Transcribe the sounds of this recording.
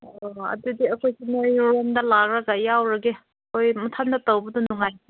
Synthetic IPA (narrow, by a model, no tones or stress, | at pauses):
oɐ̰dudiɐkʰojsinojɾemdɐlak̚ɾɐɡajawɾɐɡe | kʰojmutʰandɐtawbɐdunuŋaj